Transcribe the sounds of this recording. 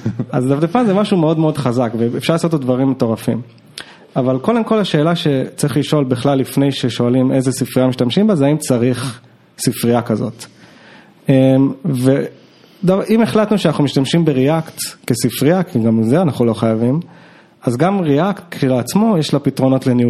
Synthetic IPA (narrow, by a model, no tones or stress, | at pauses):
azd̪afd̪epanzemaʃume̞o̞dmeo̞dχazakveefʃaʁlaːso̞t̪̬ad̪vaʁimeto̞ʁafim | avalko̞d̪emko̞laʃe̞ːlaʃe̞t͡saʁiχliʃo̞lbiχlalːifne̞jʃe̞ʃo̞alimʔe̞jzesifʁiamiʃtamʃimbazeaimt͡saʁiχ | sifʁiakazo̞̰t̪ | emve | d̪avʔimeχlat̪nuʃeanaχnumiʃtamʃimbeʁeaktkesifʁiakʰiɡamzeanaχulo̞χajavim | azɡamʁeaktkleat͡smo̞jeʃlapitʁo̞no̞tleniu